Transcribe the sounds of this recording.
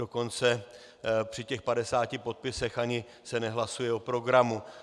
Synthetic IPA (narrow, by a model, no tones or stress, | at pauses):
oko̞nt͡sɛ | pr̝̥ɪcɛxpadɛsaːcɪpo̞t̪̚pɪsɛxaɲɪ | sɛnɛɦlasujɛo̞pɾo̞ɡɾamu